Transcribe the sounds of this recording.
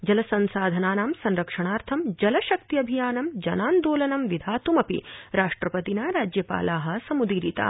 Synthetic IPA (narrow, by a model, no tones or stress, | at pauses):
d͡ʒɐlɐsɐnsaːd̪ʱɐnaːnaːmsɐnɾɐkʂɐɳ̃aːɾt̪ʰɐmd͡ʒɐlɐʃɐk̚t̪iɐbʱijaːnɐmd͡ʒɐnaːnd̪oːlɐnɐmʋid̪ʱaːt̪umɐpḭɾaːʂʈɾɐpɐt̪inɐɾaːd͡ʒjɐpa̰ːlaːɦɐ̆sɐmud̪iːɾiːt̪a̰ː